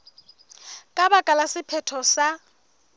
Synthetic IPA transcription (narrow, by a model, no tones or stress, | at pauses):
kʼabakʼalasɪpʰɛtʰɔsa